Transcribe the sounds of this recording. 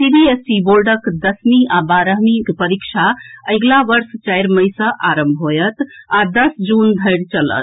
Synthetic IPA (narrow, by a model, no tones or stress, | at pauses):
sibiesibolɖəkd̪əsmiabaɾəɦmikpəɾikt͡ʃʰaəɪɡlaʋəɾst͡ʃajɾməjsə̃ʔaɾəmbʱɦojət̪ad̪əsd͡ʒund̪ʱəɪɽt͡ʃələ̰t̪